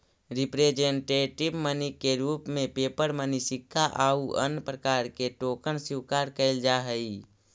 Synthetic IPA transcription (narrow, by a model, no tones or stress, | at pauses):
ɾɪpɾed͡ʒeɳʈeːʈɪbmənikːeɾuːpmẽpeːpəɾmənisɪkʰːaʔaːuʔə̰npɾəkaːɾkeʈoːkənsiwkaːɾkəɪld͡ʒaɦəi